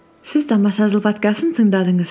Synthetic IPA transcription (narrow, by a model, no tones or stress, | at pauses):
sɪzt̪ʰɑmɑʃɑʒəlˠpɑt̪kɑsənt̪ʰəɴd̪ɑd̪əɴəz